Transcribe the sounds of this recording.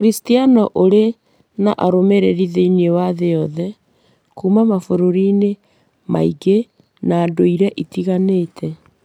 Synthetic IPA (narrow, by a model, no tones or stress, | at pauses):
ɾistianɔʔoɾe | na̰ʔaɾomeɾeɾiðeiniewaðejɔðɛ | kuːmamafoɾoɾine | ma̰iɡe | naːdoiɾɛʔitiɣaneːtʰɛ